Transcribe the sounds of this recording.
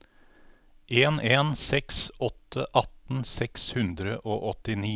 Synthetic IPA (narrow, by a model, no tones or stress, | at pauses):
ʔeːneːnsɛksʔɔt̪ʰəʔɑt̪n̩sɛkshʉnd̪ɾəʔoːʔɔt̪ɪniː